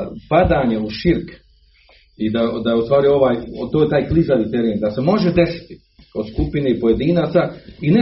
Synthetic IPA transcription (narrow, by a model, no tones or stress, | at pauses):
pad̪aɲeuʃiɾk | id̪ad̪ajeust̪ʋaːɾio̞ʋaːjt̪oːjet̪aːjklizaʋit̪eɾeːnd̪ase̞mo̞ʒed̪e̞si̥t̪i̥ | o̞d̪skupinepoje̞d̪iːnaːt̪saine